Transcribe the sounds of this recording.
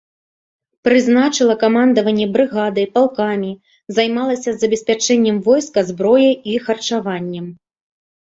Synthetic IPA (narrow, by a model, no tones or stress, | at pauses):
pɾɨznat͡ʂɨlˠɐkamand̪ɐvɐnʲːɛbɾɨɣad̪ɨjpalˠkamʲi | zajmalˠɐsʲɐzːɐbʲɛsʲpʲat͡ʂɛnʲːɛmvɔjskɐzbɾɔjɐjixɐrt͡ʂavanʲːɛm